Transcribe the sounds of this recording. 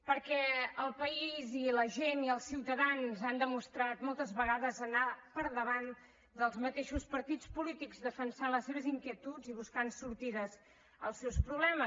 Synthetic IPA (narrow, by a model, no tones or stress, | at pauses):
pəɾkɛəlˠpəiziləʒeniəlˠsiwt̪əðanzand̪əmust̪ɾat̪mɔlˠt̪əzβəɣaðəzənapəɾðəβan | d̪əlˠzmət̪eʃuspəɾt̪it͡spulit̪ikzðəfənsanləseβ̞əziŋkiət̪ud͡ziβuskansuɾt̪iðəz | əlˠsɛwspɾuβlɛmə